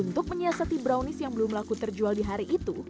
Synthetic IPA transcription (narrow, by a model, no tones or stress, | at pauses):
unt̪ʊk̚məɲiasat̪ibɾaunɪsjaŋbəlʊmlakut̪ərd͡ʒualdiɦaɾiʔːt̪u